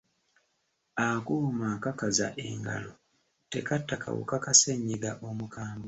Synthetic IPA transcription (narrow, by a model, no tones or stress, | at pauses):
akumakakaza̰ʔe̞̰ŋɡa̰lo | te̞̰katːaka̰wṵkakaseɲːiɡaʔomukaːmbo